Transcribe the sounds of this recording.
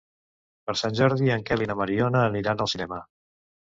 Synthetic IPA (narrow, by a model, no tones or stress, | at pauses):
pəɾsanʲʒɔɾð̞iəŋkɛlinəməɾiɔnəːniɾanəlˠsinɛmə